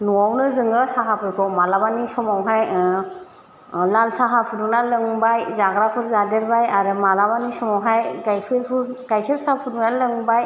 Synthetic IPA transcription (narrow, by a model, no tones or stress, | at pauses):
nuawnɯzɯŋɡɯsaɦapʰɯjkʰɔmalabanisɔmawɦaj | lalsaɦapʰuduŋnalɯŋbajzaɡɾakʰuɾzadɯɾbajaɾɯmalabanisɔmawɦajɡajkʰeɾpʰu | ɡajkʰeɾsapʰudunalɯŋbaj